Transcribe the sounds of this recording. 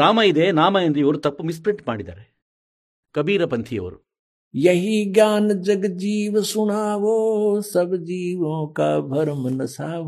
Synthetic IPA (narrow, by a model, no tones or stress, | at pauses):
ɾaːmɐjid̪eːnaːmɐjɐnd̪eiʋɐɾut̪ɐpːmis̬pɾiɳʈmaːɽid̪a̰ːɾe | kɐbiːɾɐpɐnt̪ʰijɐ̰ʋɐɾu | jɐɦiɡʲjaːnɐd͡ʒɐɡɐd͡ʒiːʋɐsuɳaːʋoːsɐbd͡ʒiːʋõːka̰ːbʱɐɾɐmɐnɐsaːʋ